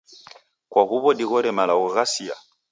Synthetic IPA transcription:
kwaɣuβɔdiɣɔɾɛmalaɣɔɣasia̰

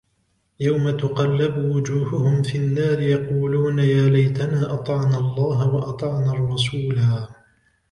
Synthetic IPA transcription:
jawmat̪ʊqɑlːɪbʊwʊd͡ʒuːhʊhʊmfinːaːɾɪjɑquːluːnajaːlajt̪anaːʔɑt̪ˤɑʕnaːɑlˤːɑːɦawɑʔɑt̪ˤɑʕnaːrˤːɑsuːlaː

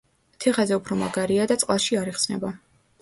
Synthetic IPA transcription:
t̪ʰɛχazɛupʰɾɔmaɡaɾiad̪at̪sʼqʼlˠaʃiaɾiχsnɛ̰ba

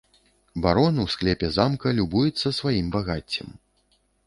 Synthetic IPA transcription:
baɾɔnɨwsklʲɛpʲɛzamkɐlʲubujut̪sːɐsvajimbaɣat͡sʲːḭm

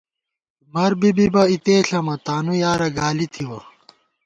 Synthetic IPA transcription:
mɐɾbibibɐit̪eːɬɐmɐt̪aːnujaːɾɐɡaːlit̪ʰiwɐ

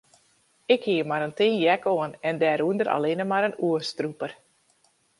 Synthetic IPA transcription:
ɪkhiəmaɾəntɪnjɛkoənɛndɛːɾuəndəɾʔa̰lɪnəmaɾənuəstrupər

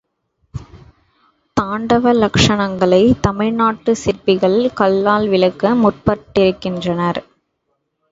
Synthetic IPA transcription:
t̪aːɳɖɐʋɐlɐkʂɐɳɐŋɡɐɭɐɪt̪ɐmɪɻnaːʈːɯsɪɾpɪɣɐɭkɐɭːaːlʋɪɻɐkːɐmʊʈ̚pɐʈːɪɾɯkːɪndrɐnɐɾ

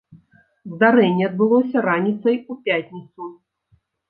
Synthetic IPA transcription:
zd̪aɾɛnʲːɛɐd̪̚bɨlˠɔsʲɐɾanʲit̪sɐjupʲatʲnʲit̪su

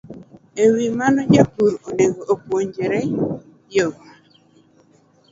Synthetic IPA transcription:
ewimanɔd͡ʒapuɾoneɡoʔopwoɲd͡ʒɛɾɛ | joɡɔ

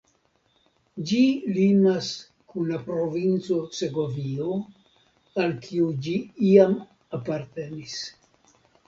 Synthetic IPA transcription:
d͡ʒilinas | kunlapɾo̞vint͡so̞se̞ɡo̞vio | alkʰiud͡ʒiiam | apaɾte̞nis

